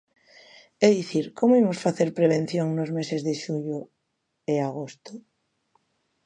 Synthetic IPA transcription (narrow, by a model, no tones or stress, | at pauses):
eðiθiɾkomoimosfaθeɾpɾeβ̞ẽn̟θjoŋnozmesezðeʃuʎo | eaɣ̞ost̪o